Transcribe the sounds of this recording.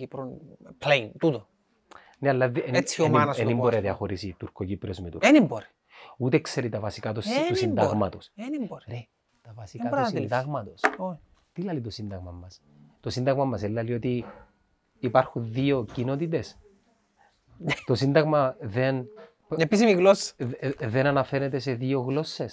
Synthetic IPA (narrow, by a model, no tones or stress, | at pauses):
ipɾonpleint̪ut̪o | neɐlːɐðeeanɐsenimboɾiɐðiɐxoɾisit̪uɾkokipɾiozmit̪ṵɾenimboɾi | ut̪ekseɾit̪ɐvɐsikat̪ususind̪ɐɣmɐt̪osenimbɾɾe | t̪ɐvɐsikatɾnd̪ɐɣmɐt̪oso | t̪ilɐlit̪osind̪ɐɣmɐmːɐs | t̪o̞sind̪ɐɣmɐmːɐselːɐliot̪iː | pɐɾxunðio̞cino̞t̪it̪e̞s | t̪o̞sind̪ɐɣmɐðe̞n | pepis̬imiɣlosːɐ̥ðenɐnɐfe̞ɾet̪e̞se̞ðio̞ɣlo̞sːe̞s